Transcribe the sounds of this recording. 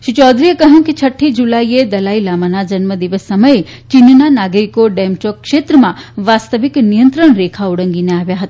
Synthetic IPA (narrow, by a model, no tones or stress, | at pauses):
ʃit͡ʃɔd̪ɾiekəɦjũkit͡ʃʰəʈʰːid͡ʒulaied̪əlailamanad͡ʒənməd̪iʋəsːəməe | t͡ʃinnanaɡɾikoɖemʈokːʃet̪ɾəmãʋast̪əʋiknijənt̪ɾəɽ̃ɾekʰauɽə̃ŋɡineaʋjaɦət̪aa